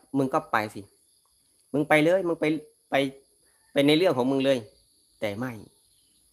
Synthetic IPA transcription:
mɯ˧ŋkɔ˧˩pa˨˩jsi˧˦ | mɯ˧ŋpa˧jlɤː˧˥˨jmɯ˧ŋpa˧j | pa˨j | pa˧˨jna˧jlɯ˥˩əŋkʰɔː˨˦mɯ˧ŋlɤː˧˥˨j | t̪ɛː˨˩ma˥˩j

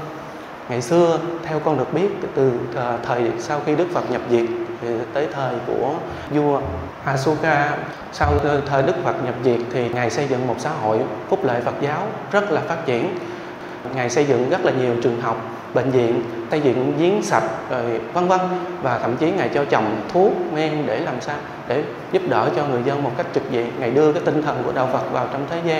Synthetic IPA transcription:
ŋa˨jsɨ˧ət̪ʰɛ˧wkɔ˧nɗɨ˨˩ək̚ɓi˦˥ət̚t̪ɨ˨˩˨t̪ʰəː˨˩jsa˧wxi˧ɗɨ˦˥k̚fə˨˩t̚ɲə˨˩p̚zi˨˩ət̚t̪ʰi˨˩t̪əː˨˦jt̪ʰəː˨˩jku˧˩ə | zu˧ə | ʔaː˧su˧kaː˧ | sa˧wt̪ʰəː˨˩jɗɨ˦˥k̚fə˨˩t̚ɲə˨˩p̚zi˨˩ək̚t̪ʰi˨˩ŋa˨˩jsə˧jzɨ̰˧˨ŋmo˨˩t̚sa̰ː˧˥ɦo̰˧˨jfʊ˦˥p̚lḛ˧˨fə˨˩t̚zaː˨˦w | zə˦˥t̚laː˨˩faː˦˥t̚t͡ɕḭ˧˩ən | ŋaː˨˩jsə˧jzɨ̰˧˨ŋzə˦˥t̚laː˨˩ɲi˨˩əwt͡ɕɨ˨˩əŋɦa˨˩wk͡p̚ | ɓḛ˧˨ŋ̟zḭ˧˨ənt̪a˧jzḭ˧˨ə˨nzi˨˦ənsa˨˩jt̚zo˨˩jkwa˧nvə˧nvaː˨˩t̪ʰə̰˧˩˨mt͡ɕi˨˦ŋa˨˩jt͡ɕɔ˧t͡ɕɔ˨˩wŋ͡mt̪ʰu˦˥ək̚mɛ˧ŋɗe˧˩laː˨˩msaː˧w | ɗe˧˩ | zʊ˦˥p̚ɗəː˧˩t͡ɕɔ˧ŋɨ˨˩əjzə˧nmo˨˩t̚ka˦˥jk̚t͡ɕɨ˨˩k̚zḭ˧˨əmŋa˨˩jɗɨ˧əkaː˨˦jt̪ï˧ŋ̟t̪ʰə˨˩nku˧˩əɗa̰ː˧˨wfə˨˩t̚vaː˨˩wt͡ɕɔ˧wŋ͡mt̪ʰe˨˦zaː˧

